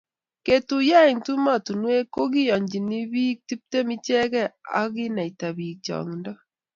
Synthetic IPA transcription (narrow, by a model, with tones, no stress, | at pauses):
ke˨tu˨ja˦i˨ntu˦ma˦˨tu˨nwe˦ko˦ɣi˦jɔ˨ɲd͡ʒi˨ni˦βi˦k̚ti˦p̚te˦mi˦t͡ʃɛ˦ɣɛ˦a̰˦ɣɪ˦na˨i˨ta˨βi˨k̚t͡ʃɔ̰˨ŋndɔ˦